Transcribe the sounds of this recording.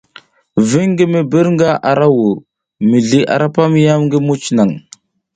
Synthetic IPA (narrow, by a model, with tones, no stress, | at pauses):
vi˦ŋɡə˦mə˨bə˦ɾŋɡa˦ʔa˨ɾa˦wu˨ɾ | mi˨ɮi˨ʔa̰˨ɾa˦pa˦mi˦ja˦mŋɡə˦mu˦t͡ʃna˨ŋ